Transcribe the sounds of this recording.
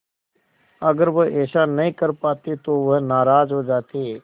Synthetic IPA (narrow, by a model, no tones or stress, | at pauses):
ɐɡəɾʋəʔɛːʃanɐɦĩkəɾpaːt̪et̪oʋəɦnaːɾaːd͡ʒɦod͡ʒaːt̪eː